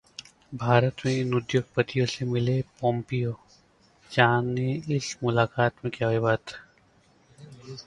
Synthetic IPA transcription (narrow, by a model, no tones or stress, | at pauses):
bʱaːɾət̪mẽɪnʊd̪joːɡ̚pət̪ijõsemɪlepɔ̃ːmpijoː | d͡ʒaːnːeɪsmʊlaːkaːt̪mẽkjaːɦebaːt̪